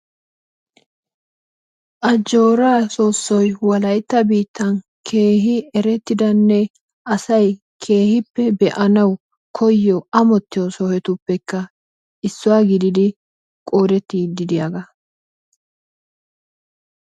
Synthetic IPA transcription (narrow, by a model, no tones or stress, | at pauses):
ʔɐd͡ʒo̞ːɾaːsoːsːɔjwɐlɐjt̪ːɐbiːt̪ːɐn | kʰe̞ːɦɪɛɾɛt̪ːɪd̪ɐnːɛ | ʔɐsɐj | kʰe̞ːhɪpːɛbɛʔɐnɐw | kʰɔjːɔɐmɔt̪ːɪjɔsɔhɛt̪ʊpːɛkːɐ | ʔɪsːʊwaːɡɪd̪ɪd̪ɪ | kʼoːd̪ɛt̪ːid̪ɪd̪ɪjɐɡɐ